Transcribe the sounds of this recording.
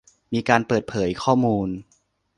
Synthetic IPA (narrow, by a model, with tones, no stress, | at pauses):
miː˧kaː˧npɤː˨˩t̪̚pʰɤː˩˦jkʰɔː˥˩muː˧n